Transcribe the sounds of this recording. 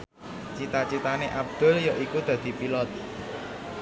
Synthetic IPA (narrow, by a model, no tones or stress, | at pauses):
t͡ʃit̪at͡ʃit̪aneʔab̚d̪̥ʊ̤ljɔʔikud̪̥ä̤d̪̥i̤pilɔt̪̚